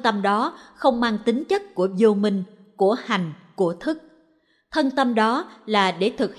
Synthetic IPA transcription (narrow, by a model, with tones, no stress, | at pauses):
t̪ə˧mɗɔ˨˦xə˧wŋ͡mmaː˧ŋt̪ï˨˦ŋ̟t͡ɕə˦˥t̚ku˧˩əzo˧mï˧ŋ̟ | ku˧˩əha˨˩jŋ̟ku˧˩ət̪ʰɨ˦˥k̚ | t̪ʰə˧nt̪ə˧mɗɔ˨˦laː˨˩ɗe˧˩t̪ʰɨ˨˩k̚h